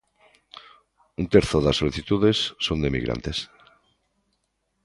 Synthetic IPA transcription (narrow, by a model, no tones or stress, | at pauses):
unt̪eɾθoðasːoliθit̪uðesːond̪emḭɣɾa̰nt̪es